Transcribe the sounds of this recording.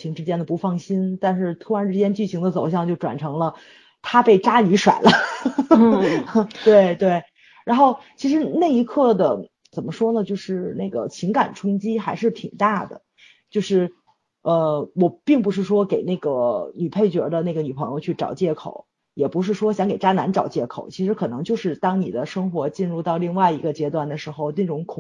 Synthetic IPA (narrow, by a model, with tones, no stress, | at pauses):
t͡ɕʰi˧˥ŋʈ͡ʂɻ̩˥t͡ɕjɛ˥nd̪ə˨pu˧˥fɑ˥˩ŋɕi˥nt̪a˥˧nʂɻ̩˥˧t̪ʰu˥ɻa˧˥nʈ͡ʂɻ̩˥t͡ɕjɛ˥nt͡ɕy˥˩ɕi˧˥ŋd̪ə˧t͡so˨˩ʊɕjɑ˥˧ŋt͡ɕjo˥˩ʊʈ͡ʂwa̰˨˩nʈ͡ʂʰɤ˧˥ŋlə˧ | t̪ʰa˥pe˥˩ɪʈ͡ʂa˥ny˧˥ʂwa̰˨˩ɪlə˦ | t̪we˥˩ɪt̪we˥˩ɪ | ɻa˧˥nxo˥˩ʊt͡ɕʰi˧˥ʂ̬ɻ̩˧˥na˥˩ɪi˧˥kʰɤ˥˩d̪ə˩ | t͡sə˨˩nmə˦ʂwɔ˥nə˨t͡ɕjo˥˧ʊʂɻ̩˥˧ne˥˩ɡə̰˩t͡ɕʰi˧˥ŋka̰˨˩nʈ͡ʂʰʊ˥ŋt͡ɕi˥xa˧˥ɪʂɻ̩˥˩t̪ʰḭ˨˩ŋt̪a˥˩d̪ə̰˩ | t͡ɕjo˥˧ʊʂɻ̩˥˩ | ə˧wɔ˨˩pi˥˩ŋp̬u˧˥ʂ̬ɻ̩˥˩ʂwɔ˥ke˨˩ɪna˥˩ɪɡə˩ny˨˩pʰe˥˩ɪt͡ɕɥɛ˧˥d̪ə˧ne˥˩ɡə˩ny˨˩pʰɤ˧˥ŋjo˧ʊt͡ɕʰy˥˩ʈ͡ʂɑ̰˨˩ʊt͡ɕjɛ˥˩kʰo̰˨˩˦ʊ | jɛ˨˩pu˧˥ʂ̬ɻ̩˥˩ʂwɔ˥ɕ̬jɑ˧˥ŋke˨˩ɪʈ͡ʂa˥na˧˥nʈ͡ʂɑ˨˩ʊt͡ɕjɛ˥˩kʰo˨˩˦ʊt͡ɕʰi˧˥ʂɻ̩˧˥kʰɤ˨˩nɤ˧˥ŋt͡ɕjo˥˧ʊʂɻ̩˥˩t̪ɑ˥ŋni˨˩d̪ə˦ʂɤ˥ŋxwɔ˧˥t͡ɕi˥˧nɻu˥˧t̪ɑ˥˧ʊli˥˧ŋwa˥˩ɪi˧˥ɡə˧t͡ɕjɛ˥t̪wa˥˩nd̪ə˩ʂɻ̩˧˥xo˧ʊne˥˩ʈ͡ʂʊ˧˥ŋkʰ